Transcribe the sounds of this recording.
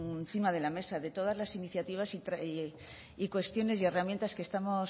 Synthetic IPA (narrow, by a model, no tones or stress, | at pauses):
nθimaðe̞lame̞saðe̞t̪o̞ð̞azlasiniθjat̪iβ̞asit̪ɾ | ikwe̞st̪jo̞ne̞sje̞ramjent̪askest̪amo̞s